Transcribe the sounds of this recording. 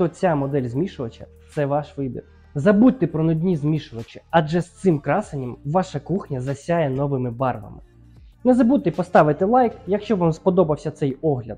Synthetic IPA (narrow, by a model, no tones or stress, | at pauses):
t̪ɔt͡sʲamɔd̪ɛlʲzmʲiʃʊʋɐt͡ʃɐ̰t̪sɛʋɑʃʋɪbʲḭr | zɐbut̚ʲt̪ɪpɾɔnʊd̪ʲnʲizmʲiʃʊʋɐt͡ʃɪɐʒɛst̪sɪmkɾɑsɪnʲɐmʋɑʃɐkuxnʲɐzɐsʲajɛnɔʋɪmɪbɑrʋɐ̰mɪ̰ | nɛzɐbud̪̚t̪ːɪpɔst̪ɑʋɪt̪ɪlˠɑjkjɐkʃt͡ʃɔʋamspɔd̪ɔbɐwsʲɐt̪sɛjɔɦlʲɐ̰d̪̥